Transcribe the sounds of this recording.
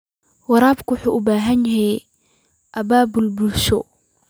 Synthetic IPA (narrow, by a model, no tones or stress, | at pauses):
wɑɾaːbkʰʊwʊħuːʔʊbaːɦɐnjɛɦɛj | ʔɐbaːbʊlbʊlʃɔ